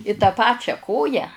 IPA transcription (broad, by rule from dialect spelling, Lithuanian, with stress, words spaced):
ɪ tɐ ˈpɑːt͡ʃʲɛ ˈkoːjæː